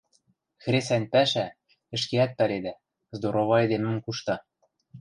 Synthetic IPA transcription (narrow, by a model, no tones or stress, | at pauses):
xɾes̬ænʲpæʃæ | ɘ̆ʃkeæt̪̚pæled̪æ | zd̪oɾoβɑed̪emɘ̆mkuʃt̪ɑ